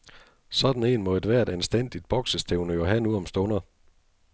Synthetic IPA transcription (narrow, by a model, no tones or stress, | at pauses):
sɒ̽d̥n̩e̝̰ːnmɒ̽ed̥ʋæɐ̰d̥ensd̥en̰d̥id̥̚b̥ɒ̽ɡ̥səst͡sʰeʊnøɐɦænuɒ̽msd̥ɔnɐ